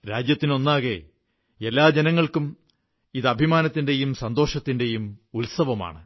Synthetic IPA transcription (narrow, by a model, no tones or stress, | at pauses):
ɾaːd͡ʑjɐt̪ːino̞nːaːɣe | elːaːd͡ʑenɐŋːɐɭkum | iðɐbʱimaːnɐt̪ːinde̞jumsɐnd̪o̞ːʂɐt̪ːinde̞jumulsɐʋɐma̰ːɳɨ